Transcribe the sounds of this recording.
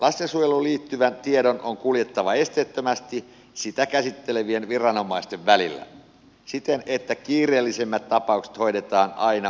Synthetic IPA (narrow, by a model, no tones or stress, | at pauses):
lɑsjɑsujeluliːt̪ːyʋænt̪iedonʔoŋkuljet̪ːɑʋɑest̪eːt̪ːømæst̪i | sit̪ækæsit̪ːeleʋienʋirɑno̞mɑist̪eʋʋælilːæ̰ | sit̪enet̪ːækiːreːlːisemːæt̪t̪ːɑpɑukse̥t̪ho̞idet̪ɑːnɑinɑ